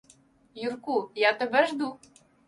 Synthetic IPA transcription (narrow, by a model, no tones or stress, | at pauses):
jurkujɑt̪ɘ̆bɘ̆ʒd̪u